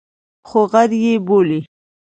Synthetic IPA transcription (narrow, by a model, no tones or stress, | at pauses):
xoɣaɾjeboli